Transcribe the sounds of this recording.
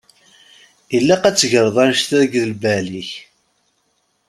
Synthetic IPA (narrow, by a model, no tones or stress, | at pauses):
ilːæqæt͡sːʝəɾˤðˤænʃt̪æðəɡðəlbæliç